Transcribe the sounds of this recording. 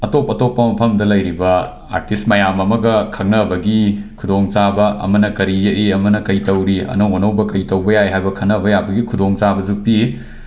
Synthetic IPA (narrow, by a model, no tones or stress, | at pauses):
ɐtopɐtopːɐmɐpʰɐmdɐlɐjɾibɐ | a̰ɾtistmɐjamɐmɐɡɐkʰɐŋnɐbɐɡikʰudoŋt͡ʃabɐʔɐ̰mɐnɐkɐɾijɐʔiɐmɐnɐkɐjtɐwɾiɐ̰nɐwonɐwbɐkɐjtɐwbɐjajɦajbɐkʰɐnɐbɐjabɐɡikʰudoŋt͡ʃabɐzupi